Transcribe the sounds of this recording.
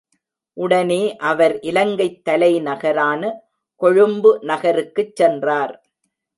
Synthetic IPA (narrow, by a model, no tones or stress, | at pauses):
ʔʊɽɐneːʔɐʋɐɾʔɪlɐŋɡɐɪt̪ːɐlɐɪnɐɣɐɾaːnɐ | kɔɻɯmbɯnɐɣɐɾɯkːɯt͡ʃːɛndraːɾ